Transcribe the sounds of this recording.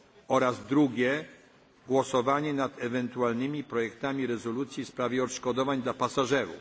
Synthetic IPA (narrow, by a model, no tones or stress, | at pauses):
ɔɾazd̪ɾuɡʲɛ | ɡwɔsɔvaɲɛnat̪ɛvɛnt̪ualnɘmʲipɾɔjɛkt̪amʲiɾɛzɔlut̪sʲjifspɾavʲjɛɔt̪ʂkɔd̪ɔvaɲd̪lapasaʐɛɾṵf